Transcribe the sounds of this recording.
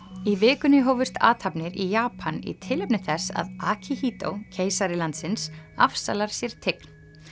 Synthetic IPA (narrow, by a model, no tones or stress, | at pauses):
ivɪːkʏnɪɦoːwvʏst̪ʰa̰ːt̪ʰhapnɪɾijaːpʰanḭt̪ʰɪlɛpnɪθɛsa̰ðaːcʰihiːt̪o̰wcʰeːjsaɾɪlant̪sɪnsafsa̰laɾ̥sjɛɾ̥t̪ʰɪkn̥